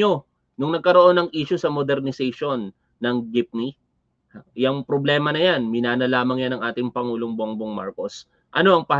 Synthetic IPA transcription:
o | nʊŋnɐɡ̚kɐɾo̞ʔo̞nɐŋʔiːʃʊsɐmod̪ɛɾnɪsɛjʃonː | ɐŋɡɪp̚ni | jɐŋpɾoblɛːmɐnɐjanmɪnaːnɐlaːmɐŋjanɐŋʔaːt̪ɪŋpɐŋuːloŋboŋboŋma̰ɾko̞s | ʔɐno̞ʔɐŋpɐh

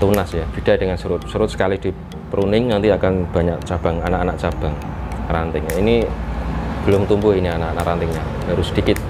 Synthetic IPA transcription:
t̪unasjad̥i̤ɖ̥ad̥əŋansuɾʊt̪̚suɾʊt̪̚sə̥kalid̥i̤ | pəɾunɪŋnaŋt̪iakanb̥a̤ɲaʔ̚t͡ʃab̥a̤ŋanaʔanaʔt͡ʃab̥a̤ŋ | ra̰nt̪ɪŋaini | b̥əlʊmt̪umbʊɦinianaʔanaʔɾant̪ɪŋɲab̥aɾʊsəd̥ikɪt̪̚

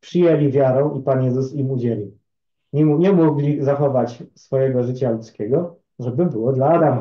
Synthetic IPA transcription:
pʂɘjɛlʲivʲjaɾɔ̃w̃ʔipanjɛzusimud͡ʑɛlʲi | ɲɛmuɡlʲizaxɔvat͡ɕsfɔjɛɡɔʐɘt͡ɕalut̪skʲɛɡɔ | ʐɛbɘbɘwɔd̪laːd̪ama

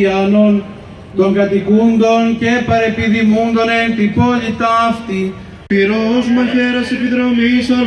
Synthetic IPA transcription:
ɐnon | t̪oŋɡɐt̪ikund̪o̞ncepɐɾepiðimund̪onet̪ipolit̪ɐft̪i | piɾozmɐçeɾɐsepiðɾomisɐ

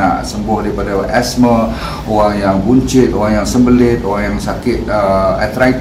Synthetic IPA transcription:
a̰ʔsəmbʊhdaipadaʔɛsmə | oɣaŋjaŋbuɲt͡ʃɪt̪oɣaŋjaŋsəmbəlɪt̪̚oɣaŋjaŋsakɪt̪̚əat̪ɾait̪

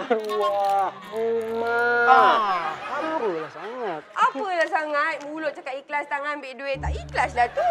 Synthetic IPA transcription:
wa | uma | amɾulahsaŋat̪̚ʔapəlahsaŋat̪̚mulʊʔ̪̚t͡ʃəkat̪iklast̪aŋanbeʔduet̪aʔiklasdat̪u

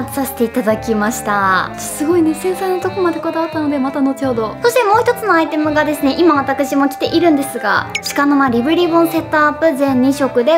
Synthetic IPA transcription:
at͡sɨ̥sase̥t̪e̞it̪ad̪akʲimaɕi̥t̪a | ḁsɨɡo̞ine̞sẽ̞ɰ̃sãinːot̪o̞komad̪e̞ko̞d̪aβat̪ːano̞d̪e̞mat̪ano̞t͡ɕihod̪o̞so̞ɕit̪e̞mo̞ːçi̥t̪ot͡sɨnoait̪e̞mɯ̟ɡad̪e̞sɨne̞ʔimaβ̞at̪akɯ̟ɕimo̞kʲi̥t̪e̞ʔiɾɯ̟̃nd̪e̞sɨɡa̰ɕi̥kano̞maɾʲibɯ̟ɾʲibõ̞ɰ̃se̞t̪ːaːpːɯ̟zẽ̞ɲ̟ːiɕo̞kɯ̟d̪e̞

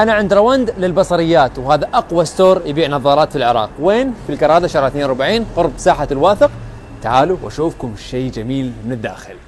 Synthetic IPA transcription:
ʔanaʕɪnd̪ɾˤawand̪lɪlbɑsˤɑɾɪjːaːt̪whaːðaʔɑqwast̪oːɾjɪbiːʕnɑðˤɑːɾˤɑːt̪filʕɪɾˤɑ̰ːqweːnfilkɑɾˤɑːd̪aʃɑɾʕθneːnʊɾʊbaʕiːnqʊɾbsaːħalwaːθɪq | t̪aʕaːluwʔa̰ʃuːfkʊmʃeːd͡ʒamiːlmɪnɪd̪ːa̰ːxɪl

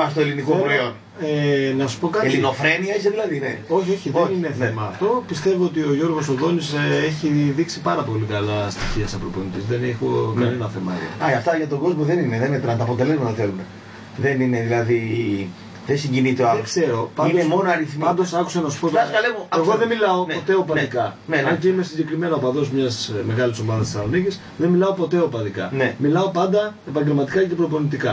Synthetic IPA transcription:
pɐst̪oe̞linikopɾoo̞n | enɐsu̥po̞kɐt̪elino̞fɾe̞niɐis̬eðilɐðinḛoçio̞çienineθnemɐft̪o̞pist̪e̞voot̪ioʝo̞ɾɣo̞soðo̞niseeçiðiksipɐɾɐpo̞likɐlɐst̪i̥çiɐt̪isɐpɾopionit̪isðenexonɐnenɐθe̞mɐo̰ɐɐft̪ɐʝɐt̪o̞ɡo̞zmoðe̞nineðemet̪ɾɐnt̪ɐpo̞t̪ele̞zmɐt̪ɐθelune̞ | ðenine̞ðilɐði | ðesiɲɟinit̪eɐekse̞ɾo̞pɐnd̪oemonoɐɾiθmɐnd̪osɐku̥sɐnɐsu̥pot̪osɐlevoeɣo̞ðe̞milɐo̞no̞t̪e̞opɐd̪ikɐ | neɐnceime̞siɲɟe̞kɾime̞nɐopɐðo̞zmɲɐsme̞ɣɐliso̞mɐðɐst̪i̥sɐnonicis | ðenmilɐo̞po̞t̪e̞o̞pɐðikɐnemilɐo̞pɐnd̪ɐe̞pɐɲɟe̞lmɐt̪i̥kɐcepɾopo̞nit̪ikɐ

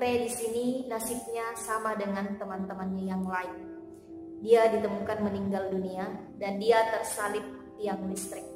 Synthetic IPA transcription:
ɾedisininasɪk̚ɲasamadəŋant̪əmant̪əmanɲajaŋlaɪn | diadit̪əmukanməniŋɡaldunia | dandiat̪ərsalɪt̪ːiaŋdist̪ɾɪk̚

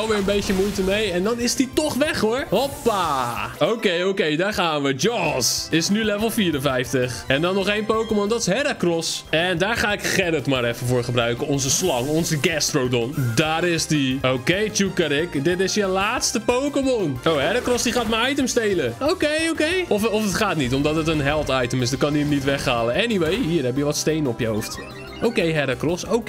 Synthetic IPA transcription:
ɔlˠʋɪɹənbejtəmujtəmejɛndɔnɪsditɔχʋɛχɦoɹhopːaowkejowkejdaːɹχaːnʋəd͡ʒɔsɪsnylɛvəlˠfiːɾənvɛjftəχɛndɔnːɔχejnpowkəmɔndɔtɪ̥sɦɛɾakrɔsɛndaːɹχaːɪkχɛɾətmaɾɛfənvʊːɹχəbrœɥkənɔnzəslɑŋɔnzəɡɛstrowdɔndaːɾɪsdiowkejt͡ʃukəɾɪkdɪtɪsjəlaːtstəpowkəmɔnoːɦɛɾakrɔsdiχaːtməajtəmstejləowkejowkejɔfɔfətχaːtnitɔmdɔtət̬ənɦɛlˠtajtəmɪsdɪt̚kɑndiəmnitʋɛχhaːlənɛniʋejɦiːrɦɛbjəʋɔtstejnəɔpjəɦowft | okejɦɛɾakrɔsowk

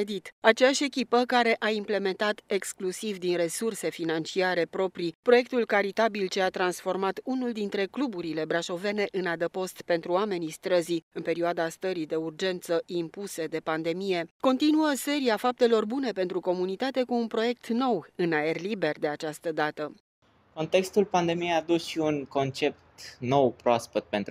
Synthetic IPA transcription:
ed̪it̪at͡ʃejaʃʲe̞kʲipəkaɾe̞ʔaimple̞me̞nt̪at̪e̞ksklusivd̪inre̞surse̞finant͡ʃiaɾe̞pɾo̞pɾipɾo̞je̞k̚t̪ulkaɾit̪abilt͡ʃe̞at̪ɾansfo̞rmat̪unuld̪int̪ɾe̞klubuɾile̞bɾaʃo̞ve̞ne̞ʔɨnad̪əpo̞st̪pe̞nt̪ɾuame̞nist̪ɾəziɨnpe̞ɾioad̪ast̪əɾid̪e̞urd͡ʒe̞nt̪səimpuse̞d̪e̞pand̪e̞mije̞ko̞nt̪inuəse̞ɾiafap̚t̪e̞lo̞rbune̞pe̞nt̪ɾuko̞munit̪at̪e̞kuːnpɾo̞je̞k̚t̪no̞wɨnae̞rlibe̞rd̪e̞at͡ʃast̪əd̪at̪ə | ko̞nt̪e̞kst̪ulpand̪e̞mijejad̪usʃiunko̞nt͡ʃe̞p̚t̪nowpɾoaspət̪̚pe̞nt̪

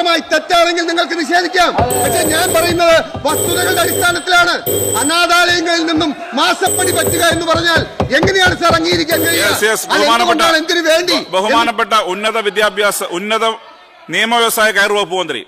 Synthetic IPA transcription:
ɐmaːjit̪ɐt̪ːaːleŋɡilniŋːɐɭkɨniɕe̞ːd̪ʱikʲːaːmpɐkʂeːɲaːnpɐrɐjunːɐðɨʋɐst̪uðɐɣɐɭɨɖeɐɾist̪ʰaːnɐt̪ːilaːɳɨɐnaːðaːlɐjɐŋːɐɭilninːumːaːsɐpːɐɽipɐtːuɣɐe̞nːupɐrɐɲːaːle̞ŋːɐnejaːɳɨsɐrɐŋːiːjiɾikʲːaːmkɐɻijesesbɐɦumaːnɐkːnːaːɭe̞nd̪inuʋe̞ːɳɖibɐɦumaːnɐpːeʈːɐunːɐðɐʋid̪jaːbʱjaːsɐʔunːɐðɐ | nijɐmɐʋjɐʋɐsaːjɐkɐjrʋɐpːuʋɐnd̪ɾḭ

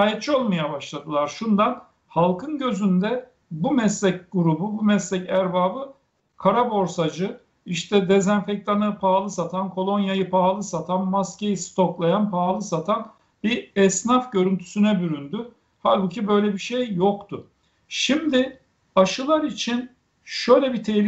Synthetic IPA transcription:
aːjɛt̪̚t͡ʃʰio̞lˠmajabaʃlˠad̪ɯlˠaɾʃund̪an | halˠkʰɯnɟø̞zynd̪ɛ | bumɛslʲɛcɡuɾububumɛslʲɛcæɾbaːbɯ | kʰaɾabo̞ɾsad͡ʒɯ | iʃt̪ʰɛd̪ezænfɛc̚t̪ʰanɯpʰaːlˠɯsat̪ʰankʰo̞lˠo̞njajɯpʰaːlˠɯsat̪ʰanmascejist̪ʰo̞klˠajanpʰaːlˠɯsat̪ʰan | biɛsnafɟø̞ɾynt̪ʰy̥synɛbyɾynd̪y | halʲbucʰibø̞jlʲɛbiʃejːokt̪ʰʊ | ʃimd̪ɪ | aʃɯlˠaɾit͡ʃʰin | ʃø̞jlʲɛbit̪ʰelʲ

